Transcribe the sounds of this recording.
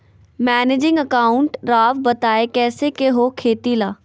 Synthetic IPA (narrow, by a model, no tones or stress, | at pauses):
mɛːneːd͡ʒɪ̃ŋɡəkaːʊɳʈɾaːʋbət̪aːeːkɛːsekeɦoːkʰeːt̪iːlaː